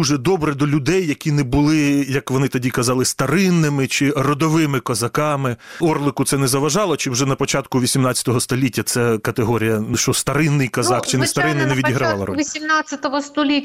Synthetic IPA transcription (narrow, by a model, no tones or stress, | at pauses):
uʒɛd̪ɔbɾɛd̪ɔlʲʊd̪ɛjːɐkʲinɛbʊlˠɪjɐkʋɔnɪt̪ɐdʲikɐzɑlˠɪst̪ɐɾɪnːɪmɪt͡ʃɪrɔd̪ɔʋɪmɪkɐzɐkɑmɪɔrlˠɪkʊt̪sɛnɛzɐʋɐʒɑlˠɔt͡ʃɪwʒɛnɐpɔt͡ʃɑt̪kʊʋʲisʲimnɑt͡sʲjɐt̪ɔɦɔst̪ɔlʲitʲːɐt̪sɛkɐt̪eɦɔɾʲijɐʃt͡ʃɔst̪ɐɾɪnːɪjkɐzɑkt͡ʃɪnɛst̪ɐɾɪnːɪnɛʋʲid̪ʲiɦɾɐʋɑlˠɐ̰rɔ̰ʋʲisʲimnat͡sʲːɐt̪ɔʋɔst̪ɔlʲitʲː